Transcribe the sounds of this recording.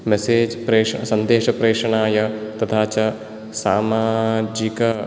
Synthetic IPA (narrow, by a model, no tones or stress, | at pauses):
meseːd͡ʒpɾeːʂɐsɐnd̪eːʃɐpɾeːʂɐɳaːjɐt̪ɐt̪ʰaːt͡ʃɐ | saːmaːd͡ʒikɐ